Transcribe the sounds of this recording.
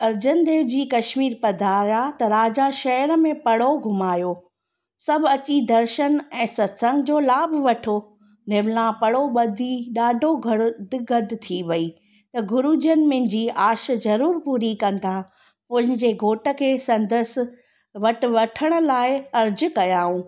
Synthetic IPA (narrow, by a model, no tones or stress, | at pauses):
ɐɾd͡ʑənd̪eːʋd͡ʑiːkɐʃmiːɾpɐd̪ʱaɾjat̪ɐɾaːd͡ʑaʃɐɦəɾəmẽpɐɽ̤oɡʱʊmaːjo | sɐbʱɐt͡ɕid̪ɐɾʃənɛ̃ːsɐt̪sə̃ŋɡd͡ʑoːlaːbʱʋɐʈʰo | nɪʋlãpɐɽ̤oɓɐd̪ʱiɗaːɖʱoɡd̪ɡɐd̪ʱt̪ʰiʋɐiː | t̪ɐɡʊɾud͡ʑənɪ̆mɪ̃ɪ̃ɲd͡ʑiːaːʃzɐɾuːɾpuːɾikɐ̃nd̪ʱa | pɐ̃ɦɪ̃ɲd͡ʑeɡʱoːʈə̆kʰeːsɐ̃nd̪əs | ʋɐʈ̆ʋɐʈʰəɽ̃ʊ̆laːɪɐɾd͡ʑʊ̆kɐjaːɦũː